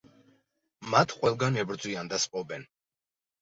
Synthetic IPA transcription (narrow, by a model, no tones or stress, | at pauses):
mat̪ʰqʼwɛlˠɡanɛbɾd̪zwiand̪asqʼɔbɛn